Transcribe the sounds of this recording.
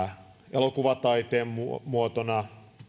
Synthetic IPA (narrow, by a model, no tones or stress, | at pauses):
elokuʋɑt̪ɑit̪eːmumuot̪onɑ